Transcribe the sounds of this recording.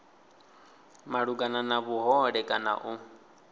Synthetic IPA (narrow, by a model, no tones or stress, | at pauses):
maɺuɡananaβuɦɔɺɛkʼana̰ʔu